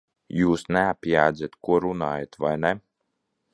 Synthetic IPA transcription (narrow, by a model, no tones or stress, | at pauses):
juːsnɛapʲjaːd̪zʲat̪kuɔɾunaːjat̪vajnɛ